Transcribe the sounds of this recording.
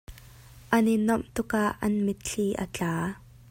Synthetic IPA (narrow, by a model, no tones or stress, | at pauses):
ʔɐninɔmt̪ʊkaʔːɐ̰nmɪt̪̚ɬʰiːʔə̰t͡ɬaː